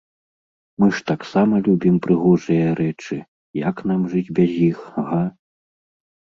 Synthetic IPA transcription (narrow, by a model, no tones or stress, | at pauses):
mɨʂt̪aksamɐlʲubʲimpɾɨɣɔʐɨjɐɾʔɛt͡ʂɨ | jɐkn̪amʐɨd͡zʲbʲɐzʲjixɣa